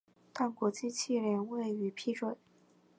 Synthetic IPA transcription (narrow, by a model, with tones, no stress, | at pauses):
t̪a˥˩nkwɔ˧˥t͡ɕi˥˧t͡ɕʰi˥˩ljɛ˥˧nwe˥˩ɪy˧˥pʰi˥ʈ͡ʂwə˥˩˦